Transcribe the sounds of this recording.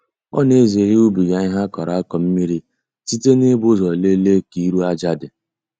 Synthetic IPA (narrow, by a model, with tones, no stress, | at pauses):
ɔ̰˦ne˦ze˨ɾi˦u˦bi˨ɡa˨ɲɪ˦ɦa˦kɔ˨ɾa˦a˦kɔ˨m̩˦mi˦ɾi˦ | ti˦te˦ne˦bʊ˦zɔ˨le˦le˦ki˨˦ɾu˦a˦d͡ʒa˦dɪ˨